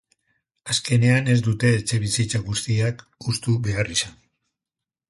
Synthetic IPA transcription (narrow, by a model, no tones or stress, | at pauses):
aske̞ne̞ane̞zd̪ut̪e̞ːt͡se̞βisit͡saɣust̪iak | ust̪uβe̞arisan